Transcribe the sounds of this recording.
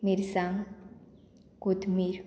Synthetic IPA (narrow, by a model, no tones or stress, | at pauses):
miɾsaŋ | kut̪miɾ